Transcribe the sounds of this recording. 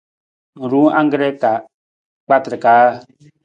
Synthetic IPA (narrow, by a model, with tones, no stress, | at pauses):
ɾu˦ã˦ŋ˦ɡɾɛ˦ka˨ | k͡pa˦tɾɪ˨kaː˦